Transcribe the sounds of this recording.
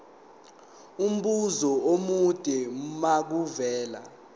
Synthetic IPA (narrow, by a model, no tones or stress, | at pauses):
um̩ɓuzɔomud̥ʼʱɛmak̬uvɛːla̰